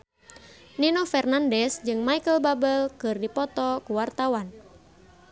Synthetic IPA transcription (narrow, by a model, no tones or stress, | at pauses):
ninɔfɛrnandɛsd͡ʒɨŋmaikəlbabɛlkɨrdipɔt̪ɔkuwart̪awan